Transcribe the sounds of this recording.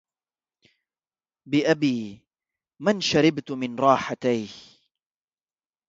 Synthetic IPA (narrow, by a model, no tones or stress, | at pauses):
bɪʔabiː | manʃaɾɪbt̪mɪnɾˤɑːħat̪ajh